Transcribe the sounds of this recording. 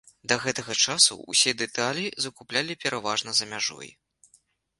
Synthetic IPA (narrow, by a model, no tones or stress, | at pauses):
d̪ɐɣɛt̪ɐɣɐt͡ʂasṵṵsʲɛd̪ɛt̪alʲizɐkuplʲalʲipʲɛɾʔavaʐnɐzɐmʲaʐɔ̰j